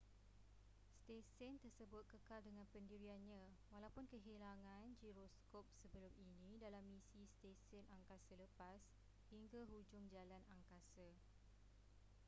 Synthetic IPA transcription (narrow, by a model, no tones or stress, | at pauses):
st̪esɛnt̪ərsəbʊt̪̚kəkaldəŋãnpəndiɾianɲã | walawpʊnkəɦilaŋãnd͡ʒiɾoskop̚səbəlʊminĩdalamːĩsist̪esɛnaŋkasələpas | hiŋɡaɦud͡ʒʊŋd͡ʒalanaŋkasa